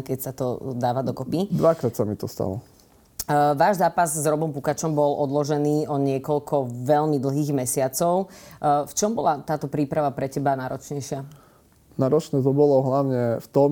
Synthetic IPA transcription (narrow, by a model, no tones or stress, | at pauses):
kɛcsat̪ɔd̪aːʋad̪ɔkɔpid̪ʋakɾaːt̪samit̪ɔst̪a̰lɔ̰ | ʋaːʒzaːpazzɾɔbɔmpukat͡ʃɔmbɔlʔɔd̪lɔʒɛniːɔɲɪɛkɔlkʰɔʋɛʎmid̪l̩ɦiːɣmɛsɪat͡sɔʊft͡ʃɔmbɔlat̪aːt̪ɔpɾiːpɾaʋapɾɛcɛbanaːɾɔt͡ʃɲɛjʃɪa | naːɾɔt͡ʃnɛːt̪ɔbɔlɔɦlaʊɲɛft̪ɔm